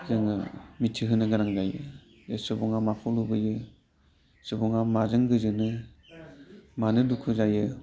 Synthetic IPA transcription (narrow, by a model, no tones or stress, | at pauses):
zɯŋɯmitʰiɦɯnɯɡaɾaŋzajɯ̰ | esɯbɔŋamapʰɔlubɯjɯ | sɯbɔŋamazɯŋɡɯzɯnɯ | manɯdukʰɯzajɯ